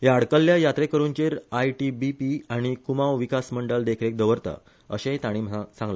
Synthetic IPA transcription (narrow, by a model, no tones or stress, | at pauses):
jaɽkəlːjajat̪ɾekəɾuɲt͡ɕeɾajʈibipiaɽ̃ikumawʋikasməɳɖəld̪ekʰɾek̚d̪əʋəɾt̪a̰ | ə̰ɕẽt̪aɽ̃imsãŋɡla